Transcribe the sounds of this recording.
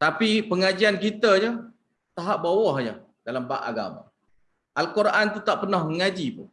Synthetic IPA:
t̪apipəŋad͡ʒiankit̪əɲə | t̪aɦap̚bawɔhɲə | dalambaʔa̰ɡa̰ma̰ | ʔalkoɾʔant̪ut̪aʔpənahməŋad͡ʒipʊ̰

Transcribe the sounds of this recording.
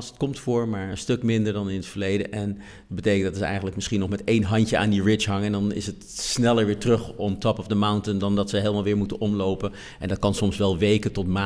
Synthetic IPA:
sət̚kɔmtfʊːɹmaːɹənstɵkmɪndəɹdɑnɪnətfəɹlejdəʔɛn | d̚bətejkəndɑtsəɛ̰jχənləkmɪsχinɔχmɛtejnɦɑntəʔa̰ːndiɹɪɦɑŋəndɑnɪ̰sətsnɛləɹʋɪːɹtrɵχɔmtɑpɔvdəmawntəndɑndɑtsəɦelˠmaːlˠʋɪːɹmutənʔɔmlowpə | ʔɛ̰ndɑt̚kɑnsɔmsʋɛlˠʋejkətɔtma

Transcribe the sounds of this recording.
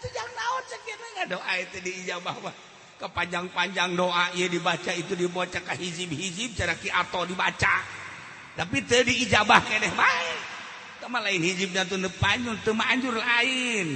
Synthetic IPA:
t̪ud͡ʒaŋnaɔt͡ʃakinəŋadoʔaɛt̪ədiːd͡ʒabahbah | kəpaɲd͡ʒaŋpaɲd͡ʒaŋdoʔaijədibat͡ʃait̪udibot͡ʃakaɦid͡ʒip̚hid͡ʒip̚t͡ʃaɾakiʔat̪ɔdibat͡ʃa | t̪apit̪ədiːd͡ʒabahkadɛhbaɛ | t̪amalainhid͡ʒip̚ɲat̪̬unəpaɲd͡ʒʊrt̪əmaːɲd͡ʒʊrlaain

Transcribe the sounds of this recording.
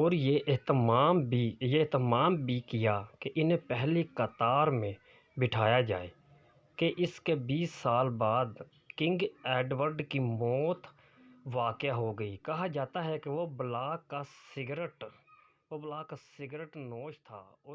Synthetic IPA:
ɔːɾjeʔɪɦt̪maːmbijeɦt̪əmaːmbʱikɪjakeʔɪnẽpɛɦlikət̪aːɾmẽ | bɪʈʰaːjad͡ʒa̰ːḛː | keʔɪskebiːsːaːlbaːd̪ | kɪ̃ŋɡɛːɖʋəɾɖkimɔːt̪ | ʋaːkjaɦoɡəiːkɐɦad͡ʒaːt̪aɦɛkeʋoblaːkasɪɡɾəʈ | oblaːkasɪɡɾəʈnoːʃt̪ʰa̰ːɔː

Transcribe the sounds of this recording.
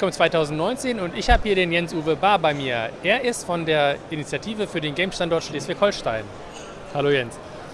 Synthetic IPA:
kʰɔmt͡sv̥aɪtʰaʊzn̩tnɔʏnt͡seːnʊntɪçhaːbəhiːɐɾeːnjɛnsʔuːvəbaːɐbaɪmiːɐʔeːɐʔɪstfɔndeːɐʔinit͡sjatʰiːvəfyːɐɾeːnɡɛɪmʃtandɔɐtʃleːsv̥eːçhɔlʃta̰ɪn | haloːjɛns

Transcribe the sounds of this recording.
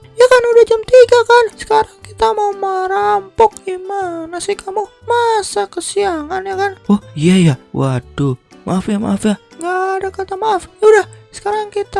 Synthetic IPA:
jakanudahd͡ʒamt̪iɡakansə̥kaɾaŋkit̪amaumaɾampɔkimanasikamu | masakəsiaŋanjakanɔhiajawat̪uma̰afjama̰afjaŋɡaːdakat̪amaafjudahsə̥kaɾaŋkit̪a

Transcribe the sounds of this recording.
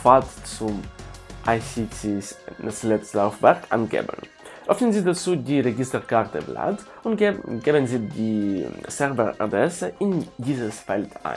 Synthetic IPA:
faɐtt͡sʊmʔaɪçit͡sisnaslɛt͡slaʊfv̥ɛʁkʔa̰nɡḛːbə̰n | ʔœfnənziːdat͡suːdiːʁeɡɪstəkʰaʁtəbla̰t | ʊnɡeːbənziːdiːsɛʁvɛʔa̰dʁɛsəʔɪndiːzəsfɛltʰʔa̰ɪ

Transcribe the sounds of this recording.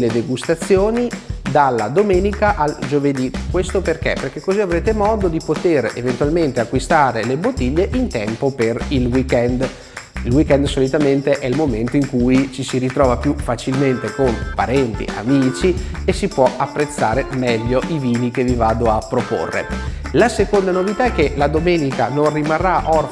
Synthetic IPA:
led̪eɡust̪at̪sːjoːnid̪alːad̪omeːnikaʔald͡ʒoved̪ikwest̪operk̟ḛperkekːoziavɾeːt̪emɔːd̪od̪ipot̪erḛvent̪uwalment̪eakːwist̪aːɾelebot̪ːiʎːeʔint̪ɛmpoperilwikɛnd̪ | ilwikɛnd̪solit̪ament̪eʔɛilmoment̪oiŋkujt͡ʃisiɾit̪ɾɔːvapjufat͡ʃilment̪ekonpaɾɛnt̪ḭʔa̰miːt͡ʃiesipwɔapːɾet̪sːaːɾemɛʎːoʔiviːnik̟evivaːd̪oapːɾopo̰rːḛlasekond̪anovit̪aɛkːelad̪omeːnikanonrimarːaʔɔr

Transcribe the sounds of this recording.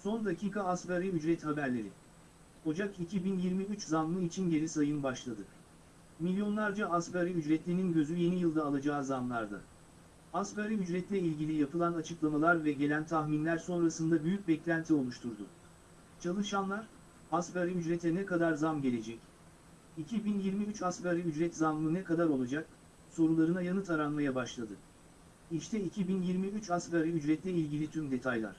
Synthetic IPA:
so̞nd̪acʰiːkʰaːspaɾiyd͡ʒɾɛt̪habæɾlʲe̞ɾi | ho̞d͡ʒakicʰibinjiɾmiyt͡ʃzanˠɯit͡ʃʰinɟe̞ɾisajɯnbaʃlˠad̪ɯ | milʲjo̞nlˠaɾd͡ʒaaspaɾiyd͡ʒɾɛt̪lʲeninɟøzyje̞nijɯlˠd̪aːlˠad͡ʒaːzamlˠaɾd̪a̰ | aspaɾiyd͡ʒɾɛt̪lʲɛilʲɟilʲijapʰɯlˠanat͡ʃʰɯklˠamalˠaɾvɛɟe̞lʲænt̪ʰaxminlʲæɾso̞nɾasɯnd̪abyjyc̚bɛclʲænt̪ʰio̞lˠuʃt̪ʰuɾd̪ʊ̰ | t͡ʃʰalˠɯʃanlˠaɾ | asbaɾiyd͡ʒɾɛt̪ʰɛnɛkad̪aɾzamɟe̞lʲe̞d͡ʒɛc | icʰibinjiɾmiyt͡ʃasbaɾiyd͡ʒɾɛt̪zamlˠɯnɛkad̪aɾo̞lˠad͡ʒak̚ | so̞ɾulˠaɾɯnajanɯt̪ʰaɾanmajabaʃlˠad̪ɯ | iʃt̪ʰɛicʰibinjiɾmiyt͡ʃaskaɾiyd͡ʒɾɛt̪lʲɛilʲɟilʲit̪ʰymd̪e̞t̪ʰajlˠa̰ɾ̥

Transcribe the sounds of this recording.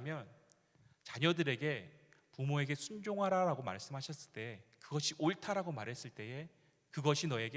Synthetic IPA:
mjʌn | t͡ɕaɲʌdɯɾe̞ɡe̞pumoe̞ɡe̞sʰund͡ʑoŋɦaɾaɾaɡoma̰ɭs͈ɯmɦaɕʰʌs͈ɯɭt͈e̞kɯɡʌɕʰiʔoɭtʰaɾaɡomaɾɦes͈ɯɭt͈e̞e | kɯɡʌɕʰinʌe̞ɡe

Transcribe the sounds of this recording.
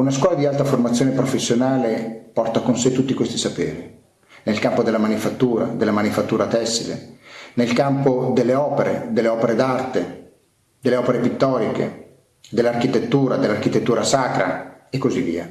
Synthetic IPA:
unaskwɔːlad̪ialt̪aformat̪sːjoːnepɾofesːjonaːlepɔrt̪akonset̪ːut̪ːikwest̪isapeːɾi | nelkampod̪elːamanifat̪ːuːɾa̰d̪elːamanifat̪ːuːɾat̪ɛsːilḛnelkampod̪elːeɔːpeɾed̪elːeɔːpeɾed̪art̪e | d̪elːeɔːpeɾepit̪ːɔːɾikḛ | d̪elːarkit̪et̪ːuːɾad̪elːark̟it̪et̪ːuːɾasaːkɾa̰ekːozivːḭːa̰

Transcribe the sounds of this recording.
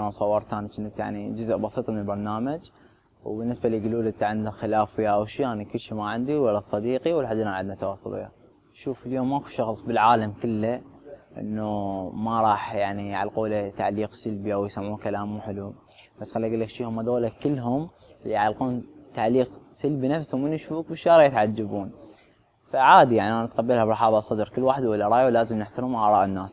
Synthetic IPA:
asˤɑwːɑɾˤt̪aːnt͡ʃɪnːat̪ja̰ʕnid͡ʒʊzʔbɑsˤiːt̪ˤmənəlbɑɾˤnaːmad͡ʒ | wbɪnːɪsbaliɡluːlʔɪnt̪aʕɪnd̪axɪlaːfwiaʔwʃiːʔaːnikʊlʃimaʕɪnd̪iwalːasˤɑd̪iːqiwəlħad̪ːʔɪnʔaʕad̪nat̪wɑːsˤːɑ̰lṵa̰ | ʃuːfəljoːmːakuʃɑxsˤbəlʕaːlamkɪlːaʔɪ̰nːumaɾˤɑːħjaʕnijʕa̰lquːlat̪a̰ʕliːqsalbiʔawjsamːuːnkalaːmːuħɪlu | b̥asːxalːiʔaɡɪlːakʃiːhʊmʔad̪oːlakɪlːɦʊmlːiʕalquːnt̪aʕliːqsalbinafsuwmɪnːʃfuːk̚bɪʃːɑːɾˤjɪt̪ʕad͡ʒːabuːn | faʕaːd̪ijaʕniʔanat̪qɑbːalhabɾˤɑħɑːbɑsˤːɑd̪ɾkəlːwaːħɪd̪ʔɪlːaɾˤɑːjalaːzəmnɪħt̪ɑɾuːmʔaʕɾˤɑ̰ːʔɪnːaːs

